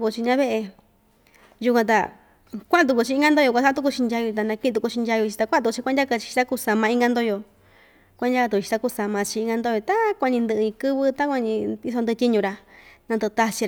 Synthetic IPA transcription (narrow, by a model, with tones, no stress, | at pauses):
ku˧t͡ʃi˧ɲã˧βe˦ʔe˧ | ju˧kʷã˧t̪̬a̰˧ | kʷa˦ʔã˧t̪u˧ku˧t͡ʃi˧i˧˦ŋɡa˦nd̪o˦jo˧kʷã˧sa˦t̪u˧k̬u˧t͡ʃi˧ndʲa˧ju˧t̪a˧nã˧kĩ˦˧t̪̬u˧ku˧t͡ʃi˧ndʲja˧jo˧t͡ʃi̥˧t̪a˧k̪ʷːt͡ʃi˧kʷa˦dʲja˦ka˧t͡ʃi̥˧i̥˧t̪a˦ku˧sa˧mã˧ĩ˧˦ŋɡa˧nd̪o˦jo˧ | kʷa˧˦dʲja˦ka˧t̪u˧t͡ʃi˧t̪a˧ku˧sa˧mã˧t͡ʃi˧ĩ˧ŋɡa˧nd̪o˦jo˧t̪a˦kʷa˧ɲĩ˧nd̪ɨ˧ʔɨ˧ɲĩ˧kɨ˦βɨ˦t̪a˦kʷa˧ɲĩ˧i˧s̬o˧d̪t̪ʲi˦ɲũ˧ɾa˧nã˧nd̪ɨ˧t̪a˧t͡ʃi˧